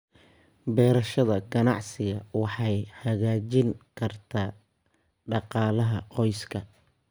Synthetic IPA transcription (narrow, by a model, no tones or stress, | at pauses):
bɛːɾɐʃɐðɐɡɐnɑ̰ʕsɪɣɐwɑħɑjhɐɣaːt͡ʃɪŋkʰɐrt̪ʰaː | ɖɑqɑːlɐɦɐqɔjskʰɐ